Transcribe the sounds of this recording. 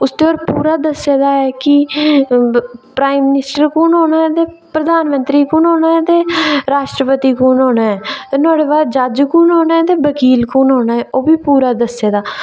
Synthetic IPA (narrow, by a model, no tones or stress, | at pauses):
ʊsd̪eːɔːɾpuːɾaːd̪əsːeːd̪aːɛːkɪ | pɾaːimːɪnɪsʈəɾkuːnɦoːnaːɛːt̪eː | pɾəd̪aːnmənt̪ɾiːkuːnɦoːnaːɛːt̪eːɾaːʃʈɾəpət̪iːkuːnɦoːnaːɛːt̪enaːɽeːbaːdd͡ʒad͡ʒkuːnoːnaːɛːt̪eːbəkiːlkuːnɦoːnaːɦɛːʔoːbiːpuːɾaːd̪əseːd̪aː